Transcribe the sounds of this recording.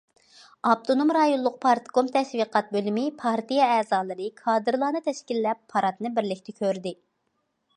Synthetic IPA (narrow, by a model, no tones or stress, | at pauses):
ɑp̚t̪ʰonomɾɑjonlˠʊq̚pʰɑɾt̪ɡomt̪ʰɛʃwiqʰɑt̪̚bølymɪpʰɑɾt̪ijɛɛːzɑːlˠɨɾɨkʰɑːd̪ɨɾlˠɑːnɨt̪ʰɛʃkʲilːɛpʰːɑɾɑt̪nɨbɪɾlɪkʲt̪ʰɪkʲʰøɾd̪ɪ